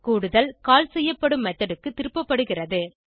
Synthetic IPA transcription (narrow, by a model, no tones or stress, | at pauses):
kuːɽɯðɐlkaːlsɛjːɐpːɐɽɯmːɐt̪ːɐɽɯkːɯt̪ːɪɾɯpːɐpːɐɽɯɣɪrɐðɯ